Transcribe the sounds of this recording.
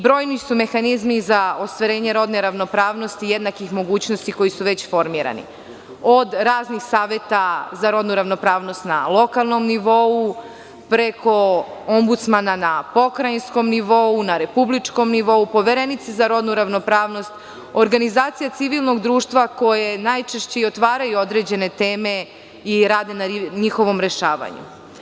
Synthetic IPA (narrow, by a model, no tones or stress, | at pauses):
bɾo̞ːjnisume̞xanizmizao̞st̪ʋaɾe̞ːɲe̞ɾo̞d̪ne̞ɾaʋno̞pɾaːʋno̞st̪ijed̪nakixmo̞ɡuːt͡ɕnost̪iko̞jisuʋe̞t͡ɕfo̞ɾmiːɾa̰nḭ | od̪ɾaːznixsaːʋje̞t̪azaɾo̞d̪nuɾaʋno̞pɾaːʋno̞st̪na̰lˠo̞kalˠno̞mniʋo̞u | pɾe̞ko̞ombut̪smananapo̞kɾajinsko̞mniʋo̞unaɾe̞publit͡ʂko̞mniʋo̞upo̞ʋeɾenit̪sizaɾo̞d̪nuɾaʋno̞pɾaːʋno̞st̪ | oɾɡanizaːt̪sijat̪siʋilˠno̞ɡd̪ɾuːʃt̪ʋako̞jenajt͡ʃeʃt͡ɕeiot̪ʋaːɾajuo̞d̪ɾe̞d͡ʑe̞ne̞t̪eːme̞ | iɾaːd̪e̞naɲixo̞ʋo̞mɾe̞ʃaːʋa̰ɲṵ